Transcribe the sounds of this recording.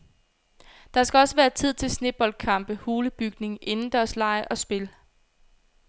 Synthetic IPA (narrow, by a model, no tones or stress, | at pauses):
d̥ɑ̈sɡ̥æɒ̽səʋæːɐt͡sʰið̞̰ˠt͡sʰe̝lsne̝̥b̥ɒl̰̥̚kʰɑ̈m̰b̥əhoːləb̥yɡ̥ne̝ŋʔe̝nn̩d̥æɐslɑ̈ɪʔɒ̽sb̥e̝l